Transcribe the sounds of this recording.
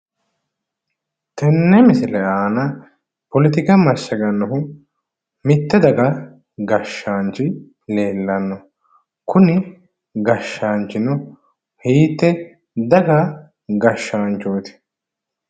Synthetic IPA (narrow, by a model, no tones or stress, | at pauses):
t̪ɛnːɛmɪsɪlɛaːnɐ | pɔlɪt̪ɪkɐmɐsːɐɡɐnːʊɦʊ | mɪt̪ːɛd̪ɐɡɐ | ɡɐʃːaːnt͡ʃɪ | leːlːɐnːɔ | kʊnɪ | ɡɐʃːaːnt͡ʃɪnɔ | hiːt̪ːɛ | d̪ɐɡɐ | ɡɐʃːaːnt͡ʃoːt̪ɪ̥